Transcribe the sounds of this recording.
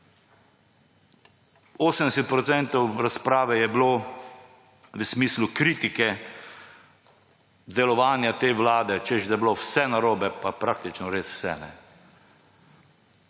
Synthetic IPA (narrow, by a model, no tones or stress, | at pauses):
oːsəmd̪ɛsɛt̪̚pɾɔt̪sɛnt̪ɔwɾaspɾaːʋɛjɛbloː | ʋəsmiːslukɾiːt̪ikɛ | d̪ɛlɔʋaːnjat̪eːʋlaːd̪ɛt͡ʃɛʒd̪ɛblowsɛnaɾoːbɛpapɾak̚t̪it͡ʃnɔɾeːsw̥sɛ̰nɛ̰